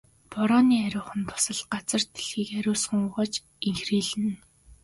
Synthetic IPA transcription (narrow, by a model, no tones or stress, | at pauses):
pɔɾɔːniːæɾʲʊːχə̆npʰʊ̥sə̆ɮɢat͡sə̆r̥t̪ʰe̥ɮxiːkæɾʲʊːsə̆ŋʊːʁɔːt͡ɕ | iŋxriːɮɘ̆n